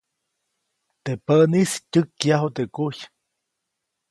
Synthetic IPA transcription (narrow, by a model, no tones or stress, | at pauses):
t̪epəniscʲɨkːjaɦot̪ekuç